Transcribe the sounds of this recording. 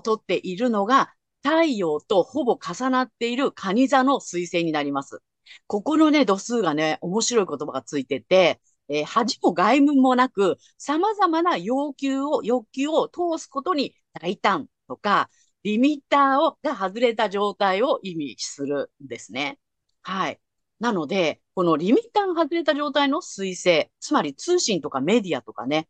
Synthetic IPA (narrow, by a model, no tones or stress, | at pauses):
t̪o̞t̪ːe̞ʔiɾɯ̟no̞ɡa | t̪aijo̞ːt̪o̞ho̞bo̞kasanat̪ːe̞iɾɯ̟kʰaɲ̟izano̞sɨise̞ːɲ̟inaɾʲimasɨ̰ | ko̞ko̞no̞ne̞d̪o̞sɨːɡane̞ʔo̞mo̞ɕiɾo̞iko̞t̪o̞baɡat͡sɨit̪e̞t̪e̞ | eːhaʑimo̞ɡaimɯ̟̃mːo̞nakɯ̟ | samazamanajo̞ːkʲɨːo̞jo̞kʲɨːo̞t̪o̞ːsɨ̥ko̞t̪o̞ɲ̟i | d̪̥ait̪ãnt̪o̞ka | ɾʲimʲit̪aːo̞ɡahazɨɾe̞t̪aʑo̞ːt̪aio̞ʔimʲiɕsɨɾɯ̟nd̪e̞sɨne̞ | hai | nano̞d̪e̞ko̞no̞ɾʲimʲit̪aːɡaɦazɨɾe̞t̪aʑo̞ːt̪aino̞sɨise̞ːt͡sɨmaɾʲit͡sɨːɕĩnt̪o̞kame̞d̪ʲiat̪o̞ka̰ne̞